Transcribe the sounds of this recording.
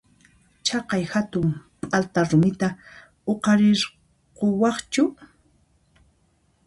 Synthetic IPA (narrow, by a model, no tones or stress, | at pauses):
t͡ʃɑqɑjxat̪ʊmpʼalt̪aɾʊmɪt̪a | oqɑɾɪɾ | qowɑχt͡ʃʊ